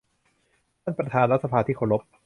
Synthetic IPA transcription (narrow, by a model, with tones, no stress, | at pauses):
t̪ʰa˥˩npɾa˧t̪ʰaː˧nɾa˦˥t̪̚sa˧pʰaː˧t̪ʰiː˥˩kʰoː˧˩ɾo˦˥p̚